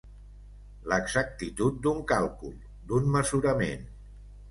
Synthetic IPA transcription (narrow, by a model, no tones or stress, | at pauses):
ləɡzak̚t̪it̪ut̪̚d̪uŋkalˠkulˠ | d̪unməzuɾəmḛn